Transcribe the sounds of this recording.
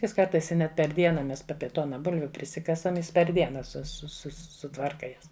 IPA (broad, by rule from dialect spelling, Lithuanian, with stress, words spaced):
ˈjɪs ˈkɐrtɐɪs ɪ ˈnʲɛt pʲɛr ˈdʲiɛnɐ ˈmʲɛs p ˈɑːpʲiɛ ˈtoːnɐ ˈbʊlʲʋʲʊ pʲrʲɪˈsʲɪkɐsɐm ˈjɪs pʲɛr ˈdʲiɛnɐ sʊ sʊ sʊ sʊˈtʋɐrkɐ ˈjɛs